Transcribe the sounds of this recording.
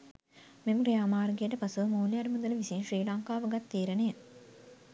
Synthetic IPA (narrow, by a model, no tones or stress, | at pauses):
memkɾijaːmaːrɡijəʈəpɐsumoːlijɐɾmud̪uləʋisinʃriːlaŋkaːʋəɡat̪ːiːɾənejə